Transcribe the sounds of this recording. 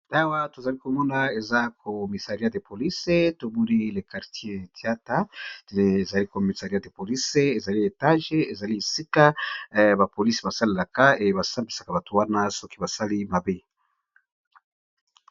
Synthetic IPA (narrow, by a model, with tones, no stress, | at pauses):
a˦wa˦to˨za˨li˦ko˨mɔ˦na˦e˨za˦kʰo˨mi˨sa˨ʁi˦a˦de˨po˨li˦se˦to˨bu˦ni˦le˨ka˨ʁtje˦˨ti˨a˦ta˦te˨n˨e˨za˨li˦ko˨mi˨sa˨ʁi˨a˦de˨po˨li˦se˦e˨za˨li˦e˨ta˦ʒe˦e˨za˨li˦e˨si˦ka˦ba˨po˨li˦si˨ba˨sa˦le˨la˨ka˦e˨ba˨sa˦mbi˨sḁ˨ka˨ba˨to˨wa˦na˦sɔ˦ki˦ba˨sa˦li˦ma˨be˦